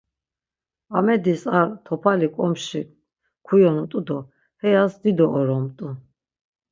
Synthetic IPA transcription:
amɛd̪isaɾt̪ʰɔpʰalikʼɔmʃi | kʰujɔnut̪ʼud̪ɔ | hɛjasd̪id̪ɔʔːɾɔmt̪ʼu

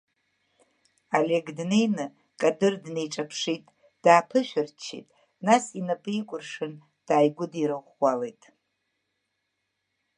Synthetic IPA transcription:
aleɡdne̞jnɨ | kʼadɨrdnejʈ͡ʂʼapʰʂitʼ | d̥aːpʰɨʃʷᶣɪrt͡ʃʰḭtʼ | nasinapʼɨikʷʼʊrʂɨn | d̥aːjɡʷʊdiɾɨχwʷalejtʼ

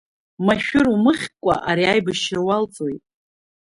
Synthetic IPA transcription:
maʃᶣʊrumɨχʲkʷʼa̰ʔaɾiajbɨʃɪrwalt͡sʼojtʼ

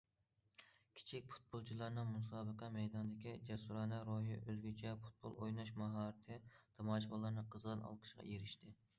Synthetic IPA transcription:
kʲʰi̥t͡ʃʰik̚ʲpʰu̥t̪̚bolˠt͡ʃʰilˠɑɾnɨŋmusɑːbəqʰɑmɛjd̪ɑnd̪ɪkʲid͡ʒɛsuɾɑːnɑɾoɦiʔøzɡʲyt͡ʃʰɛpʰu̥t̪̚bo̰lˠojnɑʃmɑɦɑːɾɨt̪ʰɨt̪ʰɑmɑːʃbɑlˠɑɾnɨqʰəzʁɑnɑ̰lˠqʰə̥ʃqɑ̰jeɾɪʃt̪ɪ

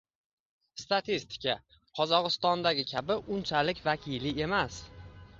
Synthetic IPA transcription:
st̪at̪ʰist̪ʰɪ̥kʲʰa | qʰɒzɒʁɨst̪ɒnd̪aɡʲɪkʲʰabɪʔʊnt͡ʃʰalɪkʲvakʲʰɪlɪe̞mas

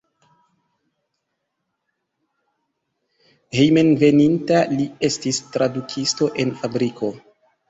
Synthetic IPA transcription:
hejmenve̞nintalie̞stistɾadukʰisto̞ʔe̞nfabɾikʰo̞

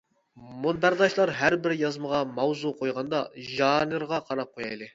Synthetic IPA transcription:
monb̪æɾd̪ɑʃlˠɑɾɦæɾbɪɾjɑzməʁɑmɑwzuqʰojʁɑnd̪ɑʒɑnɨɾʁɑqʰɑɾɑp̚qʰojɑjlˠɨ

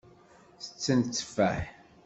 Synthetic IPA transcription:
θə̥t͡sːənt͡sːə̥fæ̰ħ

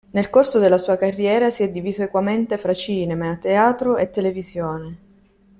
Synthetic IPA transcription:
nelkorsod̪elːasuːakarːjɛːɾasiɛd̪ːiviːzoekwament̪efɾat͡ʃiːnemeat̪ːeaːt̪ɾoet̪ːelevizjoːne

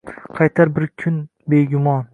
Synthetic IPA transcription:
qʰɑjt̪ʰaɾbɪɾkʲʰʊn | beɡʲʊmɒn

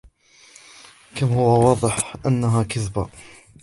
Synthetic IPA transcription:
kamhʊwawɑːðˤɨħʔanːaɦaːkaθba̰

